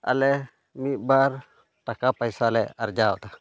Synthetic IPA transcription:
a̰lɛ | mit̪̚baɾ | ʈakapəjsalɛɐ̰ɾd͡ʒaɔt̪a

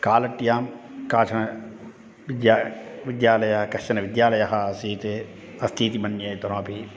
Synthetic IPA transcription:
kaːlɐʈːijaːmkaːt͡ʃʰɐnɐ | ʋɪd̪jaʋɪd̪jaːlɐjɐɦɐkɐʃɐnɐʋɪd̪jaːlɐjɐɦɐɐsiːt̪e | ɐst̪ʰiːt̪ibɐnːijɐːjt̪ɐɾãːpi

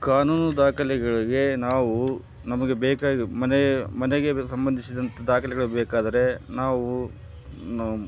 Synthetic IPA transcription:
kaːnuːnud̪aːkʰɐlɛɡɐɭiɡe̞naːʋu | nɐmɐɡe̞bɛːkaːɡimɐnmɐneɡe̞sɐmbɐnd̪isid̪ɐnt̪ɐd̪aːkʰɐlɛɡɐɭubɛːkaːd̪ɐɾe̞naːʋu

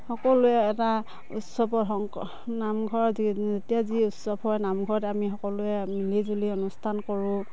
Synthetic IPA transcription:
hɔkɔlʊɛːta | ṵtsɔbɔɦɔŋ | namɡʱɔɹzzetijaziʊtsɔbʰɔjnamɡʱɔɹtɛamixɔkɔlʊɛmilizuliɔnustʰankɔɹʊ̃

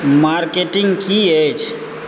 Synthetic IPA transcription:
maɾkeʈɪŋɡkiet͡ʃʰ

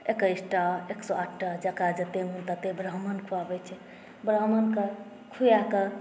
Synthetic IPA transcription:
ekəjsʈaeksɔaʈʰʈad͡ʒakad͡ʒət̪emunt̪at̪ebɾəɦmənkʰuabɛt͡ʃʰɛ | bɾəɦmənke | kʰujakə

